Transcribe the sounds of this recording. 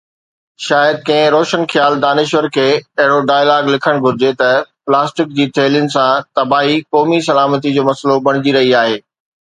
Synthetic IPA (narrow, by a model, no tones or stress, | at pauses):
ʃaːjəd̪̚kɐ̃ɦɪ̃ɾoːʃənxjaːld̪aːnɪʃʋəɾkʰeːɐɦɪɽoɖaːjlaːɡlɪkʰəɽ̃ɡʱʊɾɪd͡ʑet̪ɐplaːsʈɪk̚d͡ʑiːt̪ʰeːljənɪ̆sãt̪ɐbaːɦikɔːmisɐlaːmət̪̬id͡ʑoːmɐslobɐɽ̃ɪd͡ʑiɾɐɦiaːɦeː